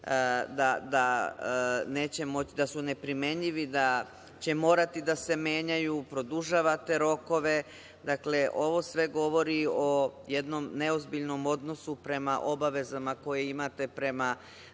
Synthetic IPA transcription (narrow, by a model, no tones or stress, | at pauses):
d̪ad̪a | ne̞ːt͡ɕe̞mo̞t͡ɕid̪asune̞pɾime̞ɲʎiʋid̪a | t͡ɕe̞mo̞ːɾat̪id̪ase̞me̞ːɲajupɾo̞d̪uʒaʋat̪e̞ɾo̞ko̞ʋe̞ | d̪akle̞ʔo̞ʋo̞sʋe̞ɡo̞ʋo̞ɾio̞je̞d̪no̞mne̞o̞zbiʎno̞mo̞d̪no̞supɾe̞maʔo̞baʋe̞zamako̞jeimat̪e̞pɾe̞ma